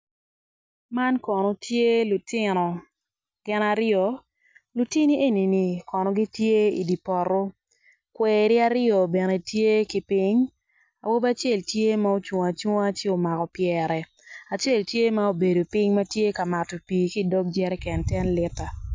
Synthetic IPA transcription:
ma˦nkɔ˨no˨tje˦lʊ˨tɪ˦nɔ˨ | ɡ̥ɪ˦na˦ɾɪɔ˨ | lu˨ti˦ni˦ʔe˦˨ni˨ni˨kɔ˨nɔ˨ɡi˦tje˦ḭ˨di˨pɔ˨ɾo˦ | kwɛː˨ɾɪ˦a˦ɾɪɔ˨bɛ˨ne˨tje˦ki˨pɪ˦ɲ | a̰˨wo˦ba˦t͡ʃe˦˨ltje˦ma˦o˦t͡ʃwo˨a˨t͡ʃo˦a˦t͡ʃe˦o˨ma˨kɔ˨pjɛ˨ɾɛ˨ | a˨t͡ʃe˦˨ltje˦ma˦o˨be˨do˨pɪ˦ŋma˦tje˦ka˨ma˨to˨piː˨ki˦˨dɔ˦k̚d͡ʒɛ˦ɾɛ˦kɛ˨ntɛ˦nlɪ˦ta˨

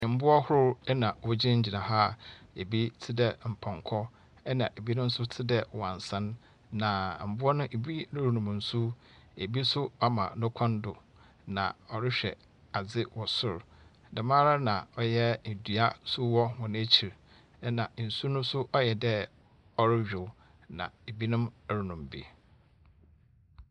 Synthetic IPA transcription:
ɪ̃˨m̩˦bʊ˦ɔ˦hʊ˦ʊ˦ɾɛ˦nã˨wʊ˦d͡ʑɪ˦ɲ̩˦d͡ʑi˨nã˨ɦa˦e˨bi˦tʰɪ˦dɛ˦m̩˨pʰã˨ŋkʰɔ˦ | ɛ˦nã˨ʔe˨bi˦nʊ̃˦n̩˦sʊ˦tʰɪ˦dɛ˨wɔ˨a˨n˨sã˦nː | ã˨m̩˨bʊ˦ɔ˦nʊ̃˦ʔe˨bi˦nʊ̃˦ɾu˨nũ˨m̃˨n̩˨su˦ | e˨bi˦sʊ˦ɔ˦mã̰˨nʊ̃˦kʰɔ̃˦n˦dʊ˨ | nã̰˨ɔ˨ɾɪ˦ɕᶣɛ̰˨ | a˨d͡zɪ˦wɔ˨sʊ˦ɾ | dɛ˨mãː˦ɾa˦nã˨ɔ˨jɛ˦˨dɥa˦sʊ˦wɔ˦hɔ̃˨ñ˦æ˦t͡ɕʰi˨ɾ | nã˨n̩˨su˦nʊ̃˦sʊ˦ʔɔ˦jɛ˨dɛ˦ | ɔ˦ɾɪ˦ɥᶣɪ˨˦ | nã̰˨e˨bi˦nʊ̃˦m˦ɾu˨nũ˨mbḭ˦

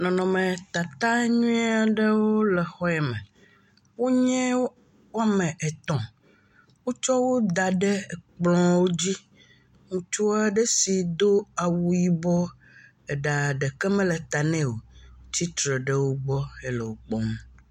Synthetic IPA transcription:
nɔ̃˨nɔ̃˨mɛ̃˨t̪a˨t̪a˦ɲũ˦ĩ˦a˦˨ɖɛ˦wo˦lɛ˨xɔ˦ɛ˨mɛ̰̃˨ | wo˦ɲɛ̃˦ | wo˦a˦mɛ̃˨ʔɛ˨t̪ɔ̃˨ | wo˦t͡ʃɔ˦wo˦d̪a˨ɖɛ˦˨k͡plɔ̃˦wo˦d͡ʑi˦ | ŋũ˨t͡ʃu˦a˦ɖe˦si˨d̪o˦a˨wu˦ji˦bɔ˦ | ɛ˨ɖa˨ɖɛ˨kɛ˦mɛ̃˦lɛ˨t̪a˨nɛ̃˦wo˨t͡ɕi˦t̪ɾe˨ɖe˦wo˦ɡ͡bɔ˦e˦lɛ˨wo˦k͡pɔ˦m˦

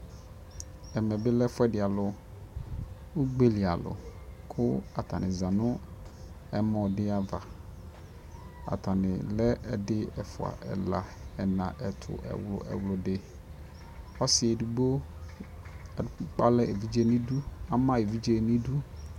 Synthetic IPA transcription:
ɛ˨mɛ̃˨bɪ˦lɛ˦fʊ˦ɛ˦dɪ˨a˨lʊ˨ | u˦ɡ͡be˦li˨a˨lʊ̰˨kʰʊ˦a˨t̪ʰa˨nɪ̃˨zã˨nʊ̃˦ | ɛ˦mɔ̃˨dɪ˦a˦va˨ | a̰˨t̪ʰa˨nɪ̰̃˨lɛ˦ɛ˨dɪ˦ɛ˨fʊ̰˨a̰˨ʔɛ˨la˨ɛ˨nã̰˨ʔɛ˨tʰʊ̰˨ʔɛ̰˨wlʊ̰˨ʔɛ̰˨wlʊ˨dɪ˨ | ɔ˦sɪ˦ɛ˨du˨ɡ͡bo˦˨ | k͡pa˦lɛ˦ʔe˨vi˦d͡ʒe˦nĩ˦du˦a˨mã˦e˨vi˦d͡ʒe˦˨nĩ˦du˦

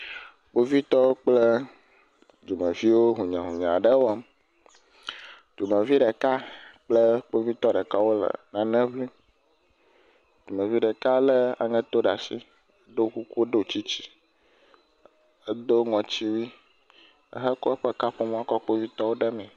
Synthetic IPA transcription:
k͡po˦vi˦t̪ɔ˦wo˦k͡plə˦ | d͡ʒo˨mə̃˨vi˦wo˦ɦũ˨ɲã̰˨ɦũ˨ɲã̰˨ɖə˦wo˦a˦m | d͡ʒ̥u˨mə̃˨vi˦ɖɛ˨ka˦k͡plə˦k͡po˦vi˦t̪ɔ˦ɖə˨ka˦wo˦lə̰˨nã˨˦nɛ̃˦vli˦ | d͡ʒ̥u˨mẽ˨vi˦ɖɛ˨ka˦lə˦a̰˨ŋɛ̃˦t̪o˦ɖa˨si˦ | ɖo˦ku˦ku˦ɖo˦˨t͡ɕi˦t͡ɕi̥˦ | ə˦d̪o˦ŋɔ̃˨t͡ɕi˦wi˦ | ə̰˦ɦə˦ko˦ə˦ɸə˦ka˦ɸo˦m˦ã˦kɔ˦k͡po˦vi˦t̪ɔ˦wo˦ɖɛ˦mɛ̃˨

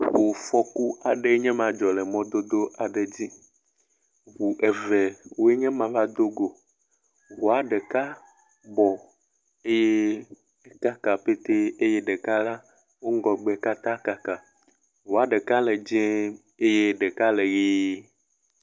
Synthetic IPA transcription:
wo˨fɔ˦ku˦a˨ɖe˦ɲɛ̃˦mã˨d͡ʒɔ˨le˨mɔ̃˦d̪o˦d̪o˦ʔa˨ɖe˨d͡ʑi˦ | βu˨ʔe˨vɛ˨wo˦e˦ɲɛ̃˦mã˨va˦d̪o˦ɡo˨ | wo˨a˨ɖe˨ka˦ | bɔ˨ | e˦je˦ | e˦ka˦ka˨pe˦t̪e˦e˦je˦ɖe˨ka˦la˦ | wo˦ŋ˦ɡɔ˨ɡ͡be˨ka˦t̪ã˦ka˦ka˨ | wo˨a˨ɖe˨ka˦le˨d͡ʒɛ̃˦ | e˦je˦ɖe˨ka˦le˨ɣi˦

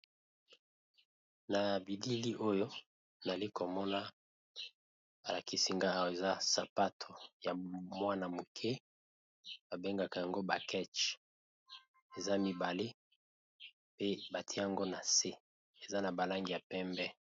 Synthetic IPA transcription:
na˨bi˨di˦li˦ʔo˦jo˦ | na˨li˦ko˨mɔ˦na˦ | ba˨la˨ki˨si˨ŋɡa˦a˦˨we˨za˦sa˨pa˦tʰo˨ja˨mwa˦na˨mo˨kʰɛ˦ | ba˨be˦ŋɡa˨ka˨ja˨ŋɡo˦ba˨kɛ˦t͡ʃ | e˨za˦mi˨ba˨le˦ | pe˦ba˨tʰi˦e˦ja˨ŋɡo˦na˨se˦ | e˨za˦na˨ba˨la˦ŋɡi˨ja˨pɛ˦mbɛ˦

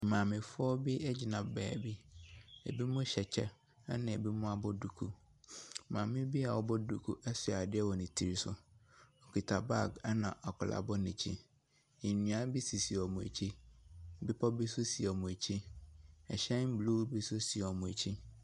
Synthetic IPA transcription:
mã˨mɪ̃˨fɔ˦bɪ˦ɛ˦d͡ʑi˨nã˨bɛ̰ː˨bi˦ḛ˨bi˦mʊ̃˦ɕɛ˨t͡ɕʰɛ̰˦ | a˦nɪ̃˨ɛ˨bi˦mʊ̃˦a˦bɔ˦du˨kʰu˦ | mãː˨mɪ̃˦bi˦a˨wɔ˦bɔ˦du˨kʰu˦ʔɛ˦sʊ˨a˨dɪ˦ɛ˦wɔ˨nɪ̃˨tʰi˨ɾi˦sʊ̰˦ɔ˨kʰi˨tʰa˨ba˦˨ɡnã˨ʔa˨kʰʊ˨la̰˨bɔ˦nɪ̃˨t͡ɕʰi˦ | i˨nũ˨a˦bi˦si˨si˨ɔ˨mʊ̃˨ḛ˨t͡ɕʰi˦˨bɪ˦pʰɔ˦bi˦sʊ˦si˨ɔ˨mʊ̃˨e˨t͡ɕʰi˦ɛ˨ɕɛ̃˦n̩˦blu˦bi˦sʊ˦si˨ɔ˨mʊ̃˨ḛ˨t͡ɕʰi˦

